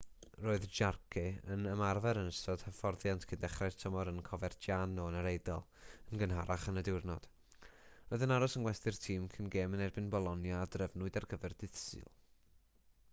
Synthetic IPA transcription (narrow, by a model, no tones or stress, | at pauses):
roːɨðd͡ʒarkʰɪə̰nəmarvɛɾənəstɔd̥həfɔrðjantʰkʰɪndɛχrḁtʰəmɔɾənkʰɔvɛrdjanɔənəɾejdɔlˠənɡənɦaɾʔaχənədɪwrnɔd̥ | roːðənaɾɔsənɡwɛstɨrtʰiːmkʰənɡeːmənɛrbɪnbɔlˠɔnjaːdrəvnʊɨdarɡəvɛrdɨθsɨ̰lˠ